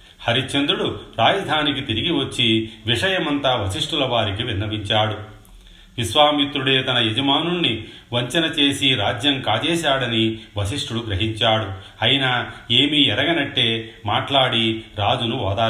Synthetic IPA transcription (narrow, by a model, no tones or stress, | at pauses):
hɐɾit͡ʃend̪uɽuɾaːjɐd̪ʱaːnikit̪iɾiɡiʋɐt͡ʃːiʋiʂɐjɐmɐnt̪aːʋɐsiʂʈulɐʋaːɾikiʋinnːɐbiɲt͡ʃaːɽu | ʋisʋaːmit̪ɾuɽe̞ːt̪ɐnɐjed͡ʒɐmaːnuɭni | ʋɐɲt͡ʃɐnɐt͡ʃe̞ːsiɾaːd͡ʒjɐŋkaːt͡ʃɛːʃaːɽɐniʋɐsiʂʈuɽuɡɾɐɦiɲt͡ʃaːɽu | ɐjinɐe̞ːmiɛɾɐɡɐnɐʈːe̞ːmaːʈlaːɽiɾaːd͡ʒunuʋa̰ːd̪aː